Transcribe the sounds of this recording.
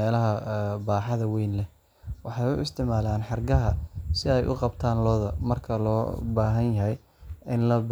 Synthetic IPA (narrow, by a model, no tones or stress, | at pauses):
ɛːlɐɦɐbaːħɑðɐwɛjnlɛ | wɑħɑjʊʔɪ̰st̪ʰɪʕmaːlaːnħɑrɡɐɦɐsɪɛjʔʊ̰qɑbt̪ʰaːnlɔːðɐmɐrkʰɐlɔ̰ːbaːɦɐnjɐɦɛj | ɪnlɐb